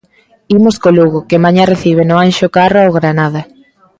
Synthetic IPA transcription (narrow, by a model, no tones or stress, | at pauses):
imʊskoluɣokemaɲareθiβ̞enʊanʃokaroaoɣɾanað̞a